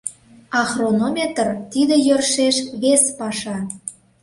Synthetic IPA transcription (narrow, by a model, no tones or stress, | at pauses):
ɑxronomʲet̪ərt̪id̪ĕjørʃeʃβespɑʃɑ